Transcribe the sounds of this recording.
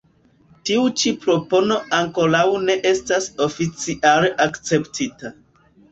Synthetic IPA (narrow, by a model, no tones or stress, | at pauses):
tiut͡ʃipɾo̞po̞no̞aŋko̞ɾawne̞ʔe̞staso̞fit͡siʔaleʔakt͡se̞ptʰita